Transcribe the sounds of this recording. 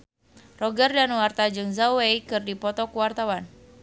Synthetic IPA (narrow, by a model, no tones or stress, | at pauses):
rɔɡərdanwart̪ad͡ʒɨŋzawwejkɨrdipɔt̪ɔkuwart̪awan